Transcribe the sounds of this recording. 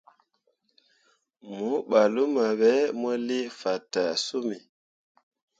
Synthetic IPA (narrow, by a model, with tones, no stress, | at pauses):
mu˨˦ɓa˨lu˦ma˨ɓɛ˨˦mɔ˦le˦fa˨ta˨su˦mi˨